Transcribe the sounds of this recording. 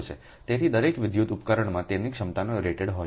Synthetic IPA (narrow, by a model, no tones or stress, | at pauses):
t͡ʃʰḛ | t̪et̪ʰid̪əɾekʋɪd̪jut̪upkəɾəɳ̃mãt̪enikʃəmt̪anoɾeʈeɽɦo